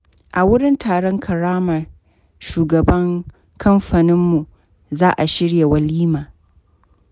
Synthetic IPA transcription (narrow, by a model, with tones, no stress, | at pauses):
ʔa˨wʊ˦ɽɪ˦ntʰaː˨ɽɔ˦ŋkʰɐ˨ɾaː˦mɐ˨r | ʃuː˨ɡɐ˨bɐ˦ŋ | kʰɐ˦mɸaː˨nɪ˦mːu˨ | zaː˦ʔa˨ʃɪ˦ɽje˨wɐ˦liː˦maː˨